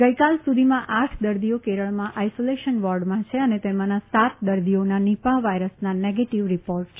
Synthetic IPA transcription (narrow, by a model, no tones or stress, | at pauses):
ɡəjkalsud̪ʱimãʔaʈʰd̪əɾd̪ijokeɾəɭmãʔajsoleʃənʋɔɾɖmãt͡ʃʰeənet̪emãnasat̪̚d̪əɾd̪ijonanipãʋajɾəsnaneɡeʈiʋɾipoɾʈt͡ʃʰ